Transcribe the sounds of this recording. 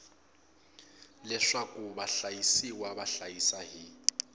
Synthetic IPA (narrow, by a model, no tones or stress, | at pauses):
lɛʂakʼuβaɬajisiwaβaɬajisaɦi